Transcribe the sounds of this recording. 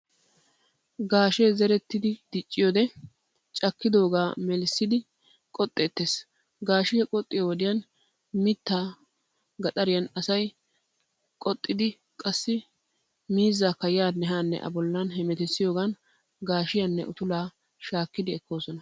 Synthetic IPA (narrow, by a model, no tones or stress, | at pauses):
ɡaːʃezɛɾɛt̪ːɪd̪ɪd̪̥ɪt͡ʃʼːɪjoːd̪ɛ | t͡ʃʼɐkːɪd̪o̞ːɡaːmɛlɪsːɪd̪ɪ | kʼɔt̪ʼːeːt̪ːeːs | ɡaːʃɪjɐkʼɔt̪ʼːɪjowɔd̪ɪjɐn | mɪt̪ːaː | ɡɐt̪ʼɐɾɪjɐnɐsɐj | kʼɔt̪ʼːɪd̪ɪ | kʼɐsːɪ | miːzːakɐjɪjaːnːɛɦaːnːɛ̰ʔɐ̰bɔlːɐnɦɛmɛt̪ɛsːɪjo̞ːɡan | ɡaːʃɪjɐnːɛ̰ʔʊt̪ʊlaː | ʃaːkːɪd̪ɪɛkːo̞ːsɔnɐ